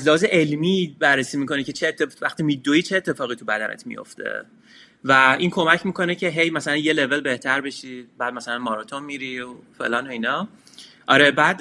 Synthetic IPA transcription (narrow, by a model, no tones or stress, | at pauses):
æzleɦːzeʔelmiːbærːesiːmikʰo̞necʰe̞t͡ʃʰet̪ʰːevæxt̪imid̪ːoiːt͡ʃʰe̞ːt̪ʰːe̞fɒːɣit̪ʰubæd̪æ̰nʔḛt̪ʰmḭjo̰ft̪ʰḛ | væiːnkʰo̞mæcʰmiːko̞necʰe̞ɦe̞jmæsælænje̞le̞ve̞lbe̞ht̪ʰæɾbe̞ʃibæːd̪̥̚mæsælænmɒɾɒt̪ʰo̞nmiɾiofe̞̰lɒːno̞inɒ | ʔɒ̰ɾe̞bæːd̪